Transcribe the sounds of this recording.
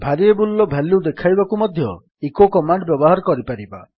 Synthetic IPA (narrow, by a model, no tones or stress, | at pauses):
bʱaɾiebulːɔbʱalud̪ekʰajbakumɔd̪ʱjɔ | ekokɔmaɳɖbjɔbɔɦaɾɔkɔɾipaɾiba̰